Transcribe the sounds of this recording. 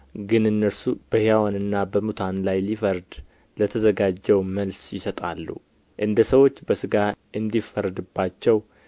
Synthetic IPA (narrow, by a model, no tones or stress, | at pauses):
ɡɨnɨnːəɾsub̥əhjjawanɨnːabəmut̪ʰanlajlifəɾd̪ | lət̪ʰəzəɡad͡ʒːɛwməlsjɪsət̪ʼalːṵ | ʔɨnd̪əsəwo̞t͡ʃːbəsɨɡaʔɨnd̪ifəɾd̪ɨbːat͡ʃːɛw